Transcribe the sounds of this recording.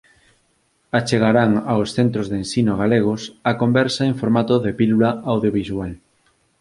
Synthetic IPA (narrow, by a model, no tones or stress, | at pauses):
at͡ʃeɣaɾaŋaosθent̪ɾozðensinoɣ̞aleɣ̞osakombɛɾsaeɱfoɾmat̪oðepilulaawðjoβiswal